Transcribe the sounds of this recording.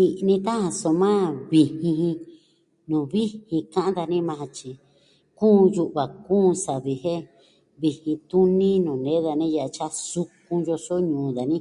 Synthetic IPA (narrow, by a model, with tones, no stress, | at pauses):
i˧ʔnĩ˧t̪a˦hã˧so˧mã˦βi˧hĩ˧hĩ˧ | nũ˨βi˦hĩ˧kã˦ʔã˦d̪a˧nĩ˦mã˧ã˧t͡ʃi˧ | kũː˦ju˧ʔβa˨kũː˦˧sa˨βi˨hẽ˦ | βi˧hĩ˧t̪u˦nĩ˦nũː˨nẽ˦ða˧nĩ˦ja˧ʔa˧t͡ʃa˦su˧k̚ũ˧jo˧so˦ɲũː˨˦ða˨nĩ˦